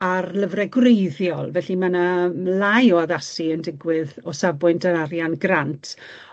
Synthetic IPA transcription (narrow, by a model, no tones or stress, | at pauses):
arləvrɛɡwrejðjɔlˠvɛɬimanalˠajɔaðasiəndɪɡwɪðɔsabwʊndʰənaɾjanɡrantʰ